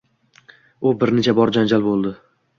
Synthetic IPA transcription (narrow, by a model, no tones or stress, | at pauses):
ʊbɪɾnet͡ʃʰabɒɾd͡ʒand͡ʒalbolˠd̪ɪ